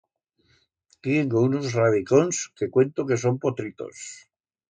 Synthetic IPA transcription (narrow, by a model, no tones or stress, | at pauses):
t̪jeŋɡounozrað̞iko̞nske̞kwe̞nt̪oke̞s̬o̞mpo̞t̪ɾit̪o̰s